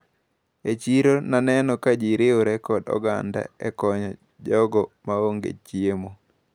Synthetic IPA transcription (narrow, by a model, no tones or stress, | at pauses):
et͡ʃiɾonanɛnɔkad͡ʒiɾeoɾɛkɔdɔ̰ɡa̰nda̰ɛ̰kɔɲɔ | d͡ʒɔɡɔmaoŋɡḛt͡ʃjiemo